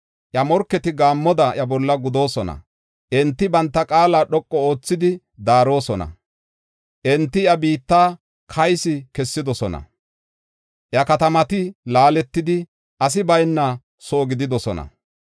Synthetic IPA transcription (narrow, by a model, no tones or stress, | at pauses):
ʔjɐmɔɾkːɛt̪ɪɡaːmːɔd̪ɐʔjɐbɔlːɐɡʊd̪o̞ːsɔnɐ̰ | ʔɛnt̪ːɪbɐnt̪ːɐkʼaːlaːɗɔkʼːɔo̞ːt͡sːɪd̪ɪ | d̪aːɾo̞ːsɔnɐ̰ | ʔɛnt̪ːɪjɐbiːt̪ːaː | kʰɐjsɪkɛsːɪd̪ɔsɔnɐ̰ | ʔjɐkɐt̪ɐmɐt̪ɪlaːlɛt̪ːɪd̪ɪ | ʔɐs̬ɪbɐjnːɐ | so̞ːɡɪd̪ɪd̪ɔsɔ̰nɐ̰